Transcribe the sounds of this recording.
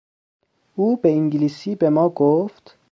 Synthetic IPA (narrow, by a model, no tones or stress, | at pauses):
ʔuːbeiŋɟiliːsiːbe̞mɒːɡoft̪